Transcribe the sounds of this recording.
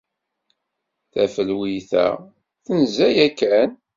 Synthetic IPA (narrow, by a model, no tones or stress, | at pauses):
θæfəlwiθæ̰ | θənzæjækːæn